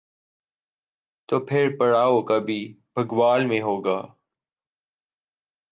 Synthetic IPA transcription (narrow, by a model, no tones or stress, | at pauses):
t̪oːpʰɪɾpəɽaːokɐbʱiːbʱəɡʋaːlmẽɦoːɡaː